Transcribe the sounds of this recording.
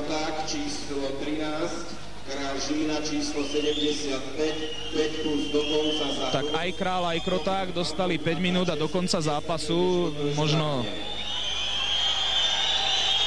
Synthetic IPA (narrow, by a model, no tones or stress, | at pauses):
t̪aːkt͡ʃiːslɔt̪ɾinaːsc | kɾaːʒiːnat͡ʃiːslɔsɛɟɛmɟɛsɪat̪pɛc | pɛcpluzd̪ɔkɔnt͡sazat̪akajkɾaːlajkɾɔt̪aːɡd̪ɔst̪alipɛɟminuːd̪ad̪ɔkɔnt͡sazaːpasumɔʒnɔ